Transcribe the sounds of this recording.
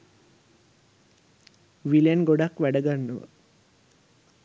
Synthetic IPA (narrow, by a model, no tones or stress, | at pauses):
ʋiljenɡoɖakʋæɖəɡanːəʋə̰